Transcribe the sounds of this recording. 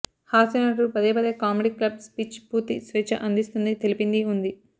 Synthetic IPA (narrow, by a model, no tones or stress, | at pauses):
haːsinɐʈːupɐd̪eːpɐd̪eːkaːmeɖiːklɐbspit͡ʃpuɾt̪isʋeːt͡ʃɐ̰ʔɐnd̪ist̪und̪it̪e̞lipind̪iund̪i